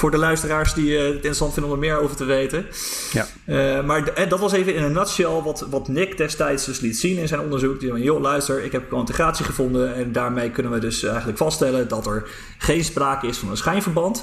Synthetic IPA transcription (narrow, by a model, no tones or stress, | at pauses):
fʊːɹdəlœɥstəraːɹsditɪntrəsɑntfɪndəɔməmɪːɹowvəɹtəʋejtə | maːɹɦɛdɑtʋɑsejvənɪntəɹnasiaːlˠʋɑtʋɑtnɪkdɛstɛjtsdɵslitsinɪnzɛjnɔndəɹzuk̚diɛɛnjolœɥstəɹɪkɦɛpkʋoɪntəχraːtsiχəvɔndəɛndaːɹmejkɵnənʋədɵsɛjχənləkfɑsttɛləndɑtɛɹ | χejnspraːkəɪsfɑnənsχɛjnvəɹbɑnt